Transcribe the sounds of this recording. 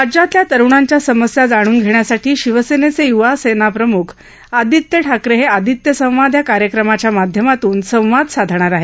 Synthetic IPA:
ad͡ʑat̪ljat̪əɾʋɳ̃aɲt͡ɕjasəməsjad͡zaɽ̃uːnɡʱeɽjasaʈʰiːɕiʋəsenet͡sejuʋasenapɾəmukʰ | ad̪ʱit̪jəʈʰakɾeɦead̪ʱit̪jəsə̃w̃ʋad̪ʱjakaɾjəkɾəmat͡ɕjamad̪ʱjəmat̪uːnsə̃w̃ʋad̪sad̪ʱɳ̃aɾaɦe

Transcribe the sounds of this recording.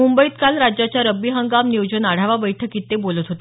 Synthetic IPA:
umbəit̪kalɾad͡ʑjat͡ɕjaɾəbːiɦəŋɡamniwd͡ʑənaɽ̤aʋabəjʈʰəkiːt̪ːebolət̪ɦot̪e

